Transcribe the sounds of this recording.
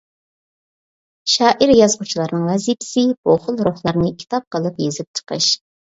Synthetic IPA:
ʃɑːʔiɾjɑzʁut͡ʃʰilˠɑɾnɨŋvɛzipʰɪ̥sɪb̥oχʊlˠɾoχlˠɑɾnɨkʲʰi̥t̪ɑp̚qəlˠɨpjezɪp̚t͡ʃʰə̥qʰə̰ʃ

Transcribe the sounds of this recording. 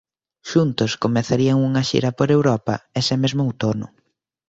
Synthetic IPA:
ʃunt̪ʊskomeθaɾiɐŋuŋɐʃḭɾɐpoɾewɾɔpɐ̰esɪmezmʊwt̪onʊ̰

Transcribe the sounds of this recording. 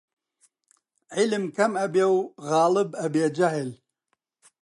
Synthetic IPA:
ʕɪlɨmkʰɐmɐbeːwɣɑːlɨbɐbeːd͡ʒɐɦɪl

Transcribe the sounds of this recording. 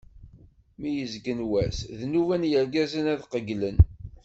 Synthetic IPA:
mijəzɡənwæsðnuvænjəɾɡæzənæðqəɡlən

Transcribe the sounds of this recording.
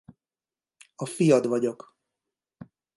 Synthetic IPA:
ɒfijɒd̪vɒɟo̞k

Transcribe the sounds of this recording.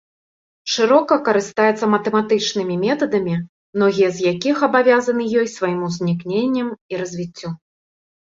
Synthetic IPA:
ʂɨɾɔkɐkɐɾɨst̪ajɛt̪sːɐmɐt̪ɛmat̪ɨt͡ʂnɨmʲimʲɛt̪ɐd̪ɐmʲi | mnɔɣʲijɐzʲjakʲixɐbavʲazɐnɨjɔjsvajimuzʲnʲiknʲenʲːɐmiɾɐzʲvʲit͡sʲːu

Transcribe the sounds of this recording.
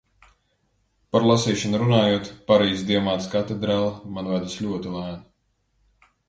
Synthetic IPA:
paɾlˠasiːʃanuɾunaːjuɔt̪paɾiːsd̪iɔmaːt̪skat̪ed̪ɾaːlˠmanvad̪aslʲuɔt̪ilˠaːn

